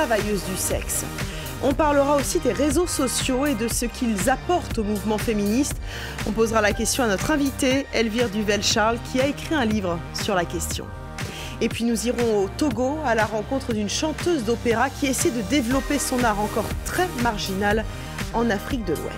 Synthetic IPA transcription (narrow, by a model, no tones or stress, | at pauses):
avajøzd̪ysɛ̰ks | ɔ̃paʁləʁaosid̪eʁezosɔsjoed̪əsəkʲʰilzapɔʁt̪omuvmɑ̃feminist̪ | ɔ̃pozʁalakʲɛst̪jɔ̃anɔt̪χɛ̃vit̪eɛlviʁd̪yvɛlʃaʁlkʲʰiaekχiɛ̃livʁəsyʁlakʲɛst̪jɔ̰̃ | epɥinuziʁɔ̃ot̪oɡoalaʁɑ̃kɔ̃t̪χəd̪ynʃɑ̃t̪øzd̪opeʁakʲiesɛjd̪əd̪evlɔpesɔ̃naʁɑ̃kɔʁt̪χɛmaʁʒinal | ɑ̃nafχik̚d̪əlwɛ̰